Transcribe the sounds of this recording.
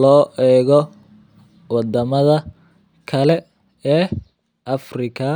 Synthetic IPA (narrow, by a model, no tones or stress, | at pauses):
lɔːʔɛːɣɔ | wɑd̪ɐmɐðɐ | kʰɐlɛ | ɛː | ʔɐfrɪkʰɐ